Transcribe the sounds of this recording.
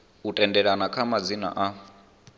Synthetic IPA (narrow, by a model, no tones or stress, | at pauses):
utʼɛndɛɺanakʰamad͡zina̰ʔa